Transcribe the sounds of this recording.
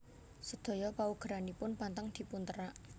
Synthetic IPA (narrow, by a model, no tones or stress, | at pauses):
səd̪̥o̤jɔpauɡ̥ɾanipʊnpant̪aŋd̪̥i̤punt̪əɾaʔ